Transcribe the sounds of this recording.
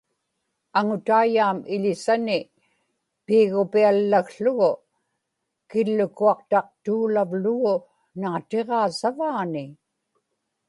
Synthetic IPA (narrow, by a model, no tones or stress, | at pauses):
aŋʊt̪aːjaːmɪʎɪsanɪ | piːɣʊpialːaɣɬʊɣʊ | kɪlːʊkuɑqt̪ɑq̚t̪uːlavlʊɣʊ | naːt̪e̞ʁɑːsavaːnɪ